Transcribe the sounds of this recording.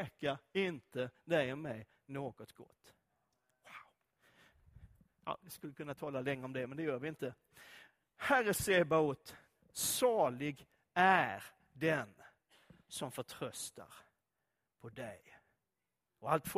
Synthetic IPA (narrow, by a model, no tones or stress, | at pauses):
kaɾɪnt̪əd̪ɛjɔmːɛj | noːɡɔt̪ɡɔ̰t̪ː | waʊ | ɑ̰ːvɪskɵlːəkɵnːat̪ʰɑːlalɛŋːəɔmd̪ɛmɛnd̪ɛjœːɾʋɪɪnt̪ə | hæɾəseːbaʊt̪ | sɑːɭɪɡ | æɾ | d̪ɛn | sɔmfœʈʰɾœst̪a̰ɾ | pʰɔd̪ɛj | ɔalt̪f